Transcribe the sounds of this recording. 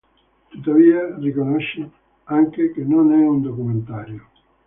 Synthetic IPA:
t̪ot̪aβiarekonɔʃɪ | aŋkekenõnɛund̪okumẽnt̪aɾjo

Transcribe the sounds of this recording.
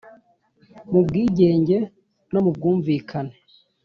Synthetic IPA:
mubɡiːɟe̞ːɲɟe̞ | no̞mub̚ɡuːɱviːkʰane

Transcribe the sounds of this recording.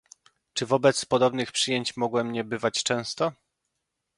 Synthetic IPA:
t͡ʂɘvɔbɛt̪spɔd̪ɔbnɘxpʂɘjeɲt͡ɕmɔɡwɛmɲɛbɘvat͡ɕt͡ʂɛ̃w̃st̪ɔ

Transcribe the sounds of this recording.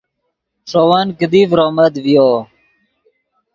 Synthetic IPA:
ʂoːwankəd̪ifɾoːməd̪ʋijoː

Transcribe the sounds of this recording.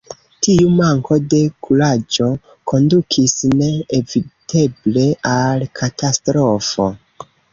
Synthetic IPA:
tiumaŋko̞de̞kʰulad͡ʒo̞ | kʰo̞ndukʰisne̞evide̞ble̞alkʰatastɾo̞fo̞̰

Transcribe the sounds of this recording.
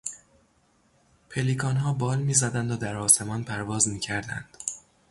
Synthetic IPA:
pʰelikʰɒːnɦɒːbɒːlmiːzæd̪ænd̪od̪æɾɒːse̞mɒːnpʰæɾvɒːzmiːcʰæɾd̪æ̰nd̪̥

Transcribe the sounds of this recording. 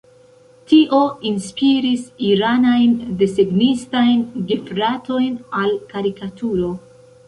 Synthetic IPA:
tiʔo̞inspiɾisiɾanajndeseɡnistajnɡifɾato̞jnalkaɾikatʰuɾo̞

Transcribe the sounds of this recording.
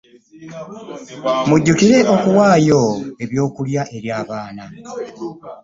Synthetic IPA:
muɟːukiɾe̞ʔo̞kuwaːjo̞e̞βjo̞ːkuljaʔe̞ɾjaːβaːna

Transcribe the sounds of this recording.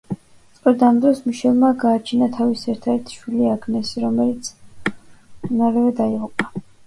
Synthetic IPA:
t̪sʼqʼɾɛd̪amd̪ɾɔsmuʃɛlˠmaɡaːt͡ʃʰinat̪ʰavisɛɾt̪ʰaɛɾt̪ʰʃwiliaɡnɛsiɾɔmɛlit̪sʰ | naɾɛvɛd̪aiʁupʼa

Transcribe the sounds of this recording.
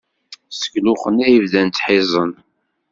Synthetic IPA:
sə̥klʊχənæjəvðænt̪ħɪzˤən

